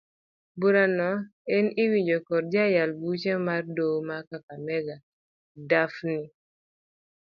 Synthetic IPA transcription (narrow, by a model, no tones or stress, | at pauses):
buɾanɔɛnɪwid͡ʒokɔɾd͡ʒajalbut͡ʃemardowmakakamɛɡa | dafnɪ